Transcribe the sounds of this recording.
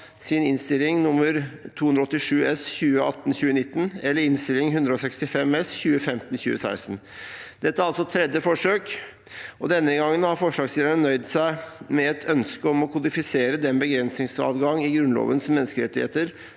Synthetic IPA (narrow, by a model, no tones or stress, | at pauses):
sɪnɪnst̪ɪlːɪŋnʊmːəɾt̪ʰuːʉnd̪ɾɔt̪ːɪʂʉːɛsçʉːəʔɑ̰t̪ːnçʉːənɪt̪ːənɛlːəɾɪnst̪ɪlɪŋɦʉnd̪ɾəɔsɛkst̪ɪfɛmɛsçʉːəfɛmt̪n̩çʉ̰ːəsæ̰ɪsn | d̪̥ɛt̪ːəɾɑlsɔt̪ʰːɾɛd̪jəfɔʂøːk | ɔd̪ɛnːəɡɑŋːənhɑɾfɔʂlɑːksliːʋəɳənœʏd̪sæɪmɛɛt̪ʰœnskəɔmɔkʰʊd̪ɪfɪseːɾəd̪ɛnbəɡɾɛnsnɪŋsɑ̰ːd̪ɡɑŋːɪɡɾʉnlo̰ːʋənsmɛnːəskəɾɛt̪ːɪhḛːt̪əɾ